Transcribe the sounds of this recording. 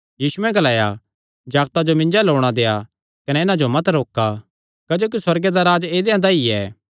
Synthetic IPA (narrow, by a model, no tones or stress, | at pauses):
jiːsuɛ̃ɡɐlaːja | d͡ʒaːɡt̪ad͡ʒomɪ̃nd͡ʒaloːɽ̃ad̪eːa | kɐnɛɪnãd͡ʒomɐt̪ɾoːkːa | kɐd͡ʒoːk̬iswɐɾɡed̪aɾaːd͡ʒeːd̪ejãd̪aiɛ̰ː